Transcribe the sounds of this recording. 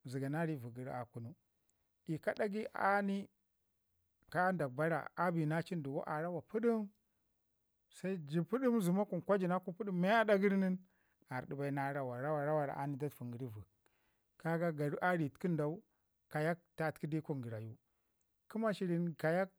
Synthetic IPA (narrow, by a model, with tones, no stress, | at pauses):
zi˨ɡa˨na˦ɾi˦vu˨ɡə˨ɾa˨ku˨nu˦ | i˨ka˦ɗa˦ɡi˦ʔa̰˦ni˦ | ka˦nda˨k̚ba˦ɾa̰˨a˦bi˨na˦t͡ʃi˦ndu˨wo̰˦ʔa˨ɾa˦wa˨pu˦ɗi˦m | sa˦i˦d͡ʒi˨pu˦ɗi˦mzu˨ma˦ku˨nkʷa˦d͡ʒi˨na˦ku˦pu˦ɗi˦mma˦a˦da˦ɡə˦ɾni˦n | a˨ɾɗi˨ba˨i˦na˦ɾa˦wa˨ɾa˦wa˨ɾa˦wa˨ɾa̰˨ʔa˦ni˦da˦tfu˨ŋɡi˨ɾi˦vu˨ | ka˦ɡa˦ɡa˨ɾu˦ʔa˦ɾi˨tki˦nda˨u˦ | ka˨ja˦k̚ta˨tki˦di˦ku˦ŋɡi˨ɾa˨ju˦ | ki˦ma˦ʃi˨ɾi˨nka˨ja˦k̚